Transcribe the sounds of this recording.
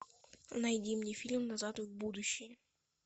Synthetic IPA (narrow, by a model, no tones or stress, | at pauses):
nɐjdʲimnʲefʲilʲmnɐzat̪ʊɣbud̪ʊɕːɪjə